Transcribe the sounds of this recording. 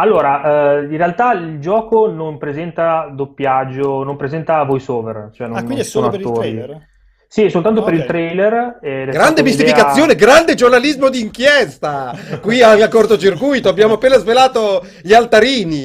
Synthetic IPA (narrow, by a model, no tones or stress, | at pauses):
alːoːɾaʔinrealt̪aild͡ʒɔːkonompɾezɛnt̪ad̪opːjad͡ʒːonompɾezɛnt̪avojsoːvert͡ʃoɛnoaknkind̪soːnloapeɾilːoi | sisolt̪ant̪opeɾilt̪ɾɛjlerɛɡɾand̪emist̪ifikat̪sːjoːneɡɾand̪ed͡ʒornalizmod̪iːŋkjɛst̪akwialkːort̪ot͡ʃirkujt̪oabːjaːmoapːeːnazvelaːt̪o | ʎialt̪aɾiːni